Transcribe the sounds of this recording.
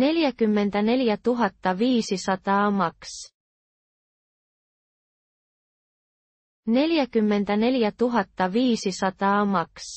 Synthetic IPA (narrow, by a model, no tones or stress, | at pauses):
ne̞ljækymːe̞nd̪̥æne̞ljæt̪uɦɑt̪ːɑviːsisɑt̪ɑːmɑks | ne̞ljækymːe̞nd̪̥æne̞ljæt̪uɦɑt̪ːɑviːsisɑt̪ɑːmɑks